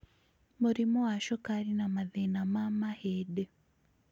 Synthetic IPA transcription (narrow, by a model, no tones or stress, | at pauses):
muɾimowaʃokaɾinamaðenamamahede